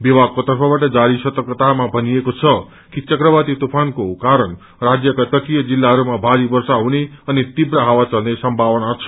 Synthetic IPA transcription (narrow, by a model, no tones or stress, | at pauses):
bibaɡ̚kot̪ʌɾpʰʌbaʈəd͡ʒaɾisət̪əkət̪amãbʱəniekot͡ʃʰʌ | kit͡ʃʌkɾəbat̪it̪upʰankokaɾəɳ | ɾad͡ʒjəkat̪əkijəd͡ʒilːaɦəɾumãbʱaɾibəɾsaɦuneənit̪ibɾaɦaʋat͡ʃəlnesʌmbʱaʋnat͡ʃʰ